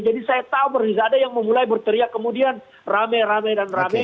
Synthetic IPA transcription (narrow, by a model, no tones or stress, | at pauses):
d͡ʒadisajat̪aubərizaːdajaŋməmulajbərt̪əɾiakəmudian | ramɛjɾamajdanramɛ